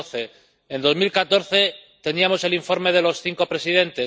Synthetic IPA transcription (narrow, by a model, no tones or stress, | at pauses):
θe̞ | end̪o̞zmilkat̪o̞ɾθe̞t̪e̞niamo̞seliɱfo̞ɾme̞ð̞e̞lo̞sθiŋko̞pɾe̞sið̞e̞nt̪e̞